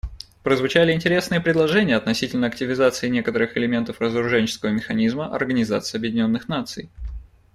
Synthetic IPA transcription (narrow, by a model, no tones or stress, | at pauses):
pɾəzvʊt͡ɕælʲɪɪnʲtʲɪɾʲesnɨjəpɾʲɪd̪lˠɐʐɛnʲɪjəɐt̪nɐsʲitʲɪlʲnəɐk̚tʲɪvʲɪzat̪sɨɪnʲe̞kət̪əɾɨxɪlʲɪmʲe̞nt̪əfrəzəɾʊʐɛnʲt͡ɕɪ̥skəvəmʲɪxɐnʲizməʔɐ̰rɡənʲɪza̰t̪sɨjəɐbjɪdʲɪnʲo̞nːɨxnat̪sɨ̰j